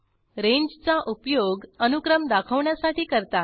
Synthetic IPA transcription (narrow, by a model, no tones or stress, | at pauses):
ɾeɲd͡ʑt͡saʔupjoɡənukɾəmd̪akʰəʋɳjasaʈʰiːkəɾt̪a